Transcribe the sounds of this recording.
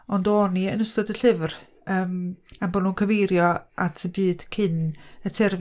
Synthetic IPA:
ɔndɔniənəstɔdəɬɪvr | əːmanbɔnuːnkʰəvejɾjɔʔatʰəbɨːd̥kʰɪnətʰɛrv

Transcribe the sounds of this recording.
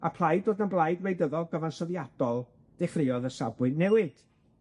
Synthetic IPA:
a̰pʰlˠajdoːdənblˠajdwejdəðɔlˠɡəvansɔðjad̥ɔlˠ | d̥ɛχrɪɔðəsabwɨnɛwɨd̥

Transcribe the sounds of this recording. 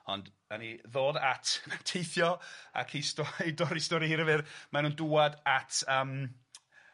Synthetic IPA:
ɔ̰nd | aniðoːdatʰpʰɛntʰejθjɔa̰kʰistɔidɔɾistɔɾiɾəvɨrmanuːnduadatʰəːm

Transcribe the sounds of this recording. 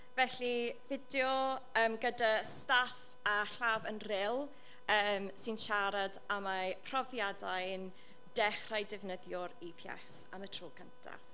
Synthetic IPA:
vɛɬivɪdjɔəːmɡədastaf | aɬaːvənrɪlˠ | əːmsɪnʃaɾadamapʰrɔvjadajn | d̥ɛχrajdɪvnəðjɔɾipʰjɛ̰s | amətʰroːɡʰəntʰa̰

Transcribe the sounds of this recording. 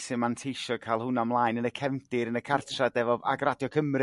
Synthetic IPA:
sɪmantʰejʃɔkʰaːlˠhʊnamlˠaːjnənəkʰɛmdɪɾənəkʰartʰradɛvɔva̰ɡradjɔkʰəmrɪ

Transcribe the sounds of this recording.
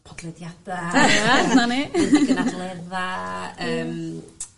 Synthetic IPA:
pʰɔd̪lɛd̪jad̪̥aananiɡnalˠeðaəːm

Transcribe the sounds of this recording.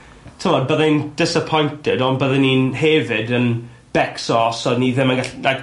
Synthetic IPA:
tʰəmɔd̚bəðɪind̥ɪsəpʰɔjntʰɪdɔnbəðɛninhɛvɪdən | b̥ɛksɔsɔdniðɪmənɡaɬnaɡ

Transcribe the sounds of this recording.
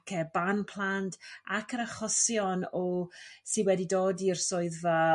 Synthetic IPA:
kʰɛbanpʰl̥ˠantʰakʰəɾaχɔsjɔnɔsiwɛdidoːdirsoɨðə

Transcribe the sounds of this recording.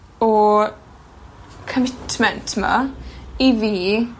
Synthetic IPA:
ɔ | kʰəmɪtʰmɛntʰma̰iviː

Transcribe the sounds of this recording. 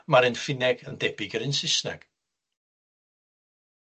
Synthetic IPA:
maɾɨnfɪnɛɡəndɛbɪɡəɾɪnsɪsnɛ̰ɡ̥

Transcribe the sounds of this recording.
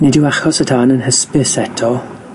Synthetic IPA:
nidɪwaχɔsətʰaːnənhəspɪsɛtʰɔ

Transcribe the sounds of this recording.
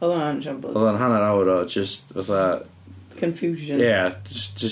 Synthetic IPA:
ɔðɔnand͡ʒãmbɔðɔnɦanaɾawɾɔd͡ʒəstvaθa | kʰə̃nfjuːʒə̃jɛd͡ʒəsd͡ʒ̥ə

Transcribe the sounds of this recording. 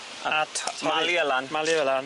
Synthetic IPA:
aatʰmaliəlanmaliəlan

